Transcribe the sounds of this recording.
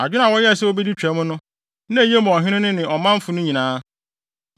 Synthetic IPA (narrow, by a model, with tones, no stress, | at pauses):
a˨d͡ʑᶣɪ˦nã˨wɔ˦jɛ˦ɛ˨sɛ˦wo˦be˦di˦t͡ɕᶣɛ˨˦mʊ̃˦nʊ̃˦ | nã˦˨je˦mʊ̃˨ɔ˨ɦɪ̃˦nɪ̃˦nɪ̃˦nɪ̃˨ɔ˨mã˦m˦fʊ˨nʊ̃˦ɲĩ˨nãː˦